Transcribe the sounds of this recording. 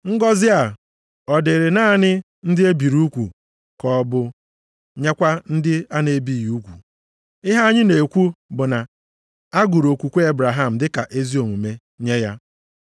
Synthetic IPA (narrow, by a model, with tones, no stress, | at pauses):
ŋ̩˦ɡɔ˦zɪ˦a˨ | ɔ˨de˨ɾɪ˨na˦ɲɪ˦ | n̩˦dɪ˦e˦bi˨ɾu˦kʷṵ˨ | kɔ˨bʊ˦ | ɲe˦kʷa˦n̩˦dɪ˦a˦ne˦bi˦˨ju˦kʷṵ˨ | ɪ˦ɦa˦a˦ɲɪ˦ne˨e˨kʷu˦bʊ˨na˨ | a˦ɡu˨ɾo˨kʷu˨kʷe˦e˦bɾa˨ɦa˦m̩˨dɪ˦ka˨ʔe˦zi˦o˨ŋu˨me˦ | ɲe˦ja˦